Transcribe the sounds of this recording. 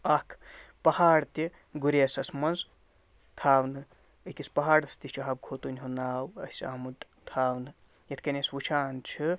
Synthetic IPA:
ɐkʰpɐhaːɽt̪i | ɡuɾeːsɐsmɐnz | t̪ʰaːwnɨ | ɨkʲispɐɦaːɽɐst̪it͡ʃʰuɦɐb̚ɡʰʱoːt̪unʲɦunaːwɐsʲa̰ːmud̪ | t̪ʰaːwnɨ | jɐt̪ʰkɐnʲeswut͡ʃʰaːnt͡ʃʰi

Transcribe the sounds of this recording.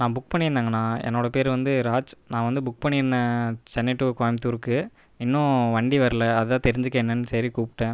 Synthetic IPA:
nãːbʊk̚pɐɳːɪɾɯnd̪aːŋɡɐnːãːɛ̰nːoːɽɐpeːɾʋɐnd̪ɯɾaːt͡ʃnãːʋɐnd̪ɯbʊk̚ːpɐɳːɪɾɯnːɐt͡ʃɛnːɪʈːukoːjmt̪uːɾkːɯ | ɪnːʊ̃ʋɐɳɖiʋɐɾɯlɐɐðɯðãːt̪ɛɾɪɲd͡ʒɯkːeːnːenːɯsɐɾikuːpʈːẽː

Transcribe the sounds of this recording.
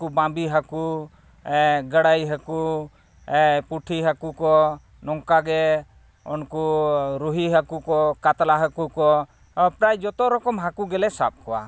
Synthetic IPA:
kubãmbiɦaku | ɛɡəɽajɦaku | ɛpuʈʰiɦakukɔ | nɔŋkaɡɛ | ɔnkuɾuɦiɦakukɔkat̪laɦakukɔ | əpɾajd͡ʒɔt̪ɔɾɔkɔmɦakuɡɛlɛsap̚kɔwa̰

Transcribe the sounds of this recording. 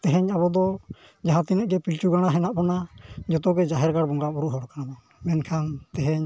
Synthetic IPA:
t̪ɛɦɛɲabɔd̪ɔ | d͡ʒaɦãt̪inɛʔɡɛpilt͡ʃuɡaɽ̃aɦɛnaʔpɔnad͡ʒɔt̪ɔɡɛd͡ʒaɦɛɾɡaɽbɔŋɡabuɾuʔɦɔɽɔkanab̪ɔ | mɛnkʰant̪ɛɦɛɲ

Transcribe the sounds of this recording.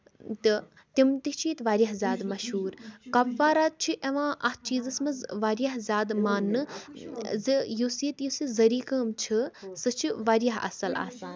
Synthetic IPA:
t̪ɨ | t̪imt̪iht͡ʃʰiːt̪ʋaːɾjaɦzʲaːd̪mɐʃɦuːɾkɐbʋaːɾaːt̪̚t͡ʃʰiʔeʋãːʔɐht͡ʃiːzɐsmɐzʋaːɾjaɦzʲaːd̪maːnːɨ | zɨjusiːt̪jusizɐɾiːkɐːmt͡ʃʰisɨt͡ʃʰiʋaːɾjaɦɐ̰sɐla̰ːs

